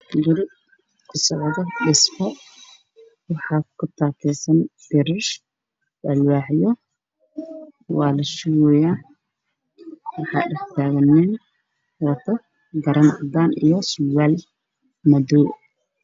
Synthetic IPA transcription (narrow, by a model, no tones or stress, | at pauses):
ɡɪɾɪ | kʰʊsɔʕðɔɖɪsmɔ | wɑħɑːkʰʊt̪ʰaːt̪ʰɛːsɐnb̪̥ɪɾɐʃ | dɐlwɑːʕjɔ | wɑːlɐʃʊwʊja | wɑħɑ̰ːɖɐħt̪ʰaːɣɐnːin | wɑt̪ʰɐ | ɡɐɾɐnad̪aːnijɔsʊlwaːl | mɐduː